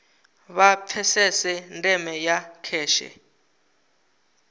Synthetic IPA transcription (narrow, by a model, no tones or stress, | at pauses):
βapʰɛsɛsɛntʼɛmɛjakʰɛːʃɛ̰